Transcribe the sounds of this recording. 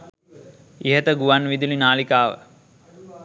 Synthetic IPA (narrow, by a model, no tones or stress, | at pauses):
iɦət̪əɡuʋanʋid̪ulinaːlikaːʋə̰